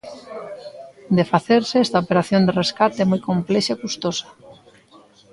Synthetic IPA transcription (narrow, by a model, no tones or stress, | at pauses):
d̪efaθeɾseɛst̪aopeɾaθjond̪ereskat̪eɛmojkomplɛʃakust̪osḁ